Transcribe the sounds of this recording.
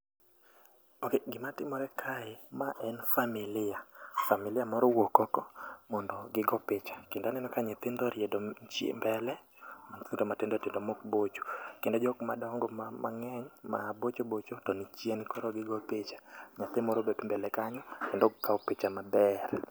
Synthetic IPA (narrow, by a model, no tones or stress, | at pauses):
okeɡɪmatɪmɔɾɛkʰaɪmaʔɛnfamɪlɪafamilɪamɔɾɔwokɔkɔmɔndɔɡɪɡɔpɪt͡ʃḁkendanɛnɔkaɲɛt̪ɪndɔɾjɛdɔt͡ʃḛmbɛlɛ | mant̪ɪndɔmatɪndɔtɪndɔmokbot͡ʃu̥kendod͡ʒɔkma̰dɔŋɡɔmama̰ŋɛɲma̰bot͡ʃobot͡ʃotɔnit͡ʃenkɔɾɔɡɪɡɔpet͡ʃḁɲat̪ɪmɔɾobetmbɛlɛkaɲɔkendɔkaɔpet͡ʃamabɛɾ